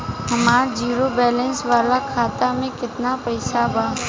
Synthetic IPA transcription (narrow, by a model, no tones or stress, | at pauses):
ɦɐmaːɾd͡ʒiːɾobɛːlɛ̃nsʋaːlakʰaːt̪amẽkɪt̪napɐɪsabaː